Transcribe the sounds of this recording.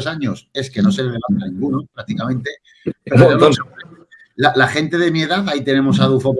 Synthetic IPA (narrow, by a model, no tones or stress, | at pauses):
saɲo̞se̞ske̞no̞seleðelamanĩŋɡunopɾak̚t̪ikamẽnt̪e̞ | ppeaose | lalaxe̞nt̪e̞ðe̞mie̞ðaθajt̪e̞ne̞mosaðufop